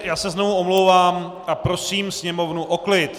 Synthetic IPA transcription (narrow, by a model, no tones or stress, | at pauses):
jaːsɛznovuomlowvaːm | ʔapɾo̞siːmsɲɛmo̞vnuʔoklɪt̪